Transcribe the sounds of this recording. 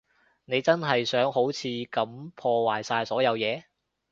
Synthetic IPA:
ne˨˧jt͡sɐ˥nɦɐ˨jsœː˨˥ŋɦo˨˥wt͡sʰiː˨˧kɐ˨˥mpʰɔː˧waː˨˩jsaː˧jsɔː˨˥jɐ˨˧wjɛː˨˧

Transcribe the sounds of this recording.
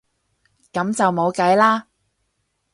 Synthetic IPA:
kɐ˨˧˥mt͡sɐ˨wmo˨˧wkɐ˨˥jlaː˥

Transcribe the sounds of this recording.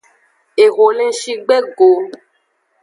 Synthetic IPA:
e˨ɣo˨lẽ˧ʃi˧ɡ͡bɛ˦ɡo˨

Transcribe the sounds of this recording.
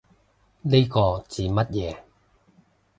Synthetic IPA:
ne˥kɔː˧t͡siː˨mɐ˥t̚jɛː˨˧

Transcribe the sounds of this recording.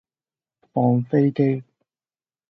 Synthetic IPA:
pɔː˨nfe˥jke˥j

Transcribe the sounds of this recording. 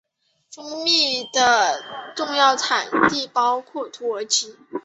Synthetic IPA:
fɤ˥ŋmi˥˩d̪̥ə˩ʈ͡ʂʊ˥˧ŋjɑ˥˩ʊt͡sʰa˨˩nt̪i˥˩pɑ˥ʊkʰɔ˥˩t̪ʰu˧˥ə˞˧˥t͡ɕʰi˧˥

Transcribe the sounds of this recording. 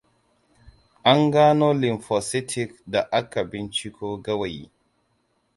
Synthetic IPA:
ʔa˦ŋɡaː˦no˦li˨nfɔ˨si˦tʰi˦kda˨ʔa˦kːa˨bi˦nt͡ʃi˦kʰo˦ɡa˦wa˨j

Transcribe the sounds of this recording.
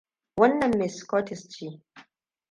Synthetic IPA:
wɐ˦nːɐ˨mːe˨skɔ˦tɪ˨st͡ʃi˦

